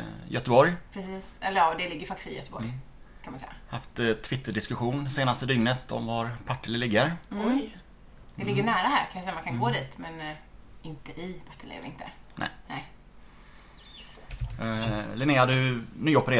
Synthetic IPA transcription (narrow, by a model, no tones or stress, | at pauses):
jʔœt̪əbɔɾjpʰɾɛsiːsɛ̰lːəɾjɑːd̪ɛlɪɡːəɾfakt̪ɪst̪ɪ̰jœ̰t̪əbɔ̰ɾ | kʰanmansɛ̰jːa̰haft̪t̪ʰvɪt̪ːəɖɪskɵɧuːnseːnast̪əd̪ʏŋnət̪ɔ̰mvaɾpʰaʈːɪlɪlɪɡːəɾɔj | d̪̥ɛlɪɡːəɳæːɾahæ̰ːɾkʰanasɛjːamankʰanɡɡoːd̪iːt̪mɛnɪnt̪əʔɪpʰaʈːɪlḛɾɪnt̪ʰə̰nɛ̰ɪnɛɪ | lɪneːad̪ɵnyːɔpəɾeː